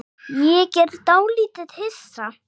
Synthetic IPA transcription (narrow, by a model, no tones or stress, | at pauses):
jɛcɛɾðt̪awliːt̪ɪð̥hɪsːa